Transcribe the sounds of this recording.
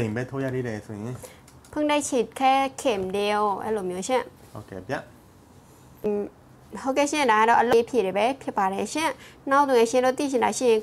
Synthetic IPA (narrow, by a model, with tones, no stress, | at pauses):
ẽ˨mbɛ˦t̪ʰo˦ja̰˦˨d̪e˦˨ɾɛ˨so˨jɪ̃˨ | pʰʊ̃˦˨ŋda˦˨t͡ɕʰe˨kʰɛ˦kʰe˨mde˨o˨ʔɛ̰˦˥˨lo˨mjo˦ʃɪ̃˦˨ | ho˦kɛ˨pja˦˨ʔ | ho˦˨kɛ˦˨ɕɪ̃˦˨nda˨ɡa˦˨ɾɔ˦˨ʔə˨lo˦˨˦pʰje˨ɾe˨bɛ˨˦pʰjɪ˦pːa˨ɾɛ˨ʃɪ̃˥˨nã˦˨t̪u˨ɛ̃˧˦˨ʃɪ̃˧˨ndo˦˨t̪ḭ˦˨t͡ɕʰɪ̃˨nda˨ʃḭ˦˨jɪ̃˨